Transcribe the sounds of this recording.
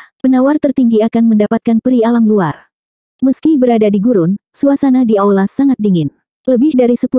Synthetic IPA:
pənawart̪ərt̪iŋɡiakanməndapat̪̚kanpəɾialamluar | məskibəɾadadiɡuɾʊnsuasanadiawlasaŋat̪̚diŋɪn | ləbɪhdaɾisəpu

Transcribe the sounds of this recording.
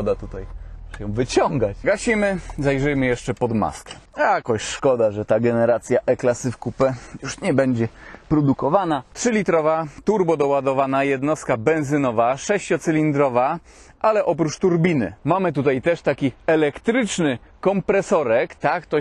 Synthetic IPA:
d̪at̪ut̪ajjɔ̃w̃vɘt͡ɕɔŋɡat͡ɕɡaɕimɘzajʐɘjmɘjɛʂt͡ʂɛpɔd̪ma̰skɛ̥jakɔɕʂkɔd̪aʐɛt̪aɡɛnɛɾat̪sʲjaʔɛklasɘfkupɛjuʂɲɛbɛɲd͡ʑɛpɾɔd̪ukɔvanatʂɘlʲit̪ɾɔvat̪uɾbɔd̪ɔwad̪ɔvanajɛd̪nɔst̪kabɛ̃ñzɘnɔvaʂɛɕt͡ɕɔt̪sɘlʲind̪ɾɔva | ʔalɛʔɔpɾut͡ʂt̪uɾbʲinɘ̰mamɘt̪̬ut̪ajt̪ɛʂt̪akʲiɛlɛkt̪ɾɘt͡ʂnɘkɔmpɾɛsɔɾɛkt̪akt̪ɔ

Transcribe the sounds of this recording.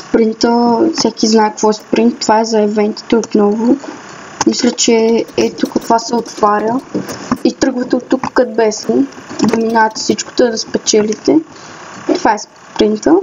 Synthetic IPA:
spɾint̪əfsʲɛkiznaɛkɐkvɔɛspɾint̪ːovaɛzɐɛvɛnt̪i̥t̪ɛot̪nɔvʊ | mislʲət͡ʃɛɛt̪ʊkɐkvasɛot̪vaɾʲə | it̪ɾɤɡvət̪ət̪ukːɐd̪̚bɛsɛnd̪ɐminaɐt̪sit͡ʃko̥t̪ɛd̪ɐspɛt͡ʃɛlit̪ɛ | t̪ʊvaɛs | pɾint̪ə

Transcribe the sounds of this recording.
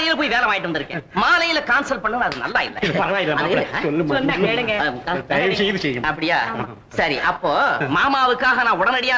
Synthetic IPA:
ɐjɪlpoːjiʋeːlɐmaːjɪʈːɯʋɐnd̪ɪɾɯkːḛ̃ːmaːlɐjɪlɐkaːnsɐlpɐɳːɯɐðɯnɐ̰lːaːɪ̰lːɐ̰ɪðpɐɾɐʋaːjɪlːɐɐðsɔlːɯmɔnːɐkeːɽɯŋɡɐkaɐʋsɛjɐðɯsɛjɐmɐpːɐɽɪjaː | sɐɾḭʔɐpːoːmaːmaːʋɯkːaːɣɐnãːʊɽɐnɐɽɪjaː

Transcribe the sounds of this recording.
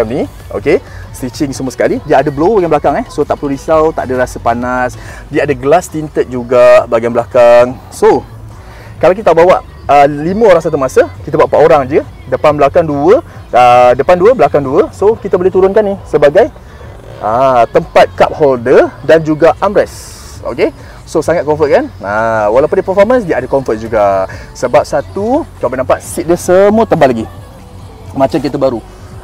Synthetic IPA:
amni | o̰ke | sit͡ʃɪŋsəmuəsə̥kalidiəadəblowbaɡajblakaŋɛhsot̪a̰ʔpluɾisawt̪a̰ʔadəɾasəpanasdiəadəɡəlast̪int̪ət̪̚d͡ʒuɡabaɡablakaŋ | so | kalawkit̪abawaʔ | əlimə̃oɾaŋs̬at̪̬umasəkit̪abaʔpaʔoɾaŋd͡ʒədəpanbəlakaŋduəədəpanduəbəlakaŋduəsokit̪əbolɛt̪uɾʊnkanisəbaɡaj | ət̪əmpat̪̚kap̚holdədand͡ʒuɡaʔamɾɛs | o̰ke | sosaŋat̪̚kɔɱfət̪̚kanəwalawpondipəfɔrmənsɡiaʔadəkɔɱfət̪̚d͡ʒuɡa | səbap̚sat̪ukabənãmpaʔ̪̚sik̚dəsəmuət̪əmbalaɡi | mãt͡ʃamkit̪əbaɾu

